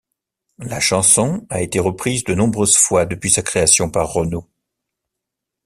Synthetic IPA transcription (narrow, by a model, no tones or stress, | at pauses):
laʃɑ̃sɔ̃aet̪eʁəpχizd̪ənɔ̃bʁøzfwad̪əpɥisakχeasjɔ̃paʁːɔno